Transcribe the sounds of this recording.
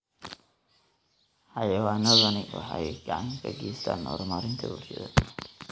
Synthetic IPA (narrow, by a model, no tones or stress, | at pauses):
ħɑjɐwaːnɔðɐnɪwʔɑ̰ħɑjɡɑʕɑŋkʰɐɡɛːst̪ʰa̰ːnːɔːrmaːɾɪnt̪ʰɐburʃɐðɐ